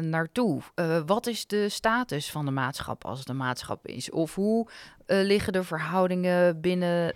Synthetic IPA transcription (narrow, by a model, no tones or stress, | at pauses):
naːɹtuʋɑtɪzdəstaːtəsfɑndəmaːtsχɑ̰pʰɑ̰lˠsdəmaːtsχɑ̰pɪ̰sɔfɦu | lɪχədəvəɹɦʌwdɪŋəbɪnə